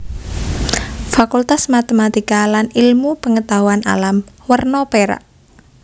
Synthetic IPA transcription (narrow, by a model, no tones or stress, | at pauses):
fakult̪asmat̪emat̪ikalanilmupəŋət̪aɦuana̰lam | wərnɔpeɾa̰ʔ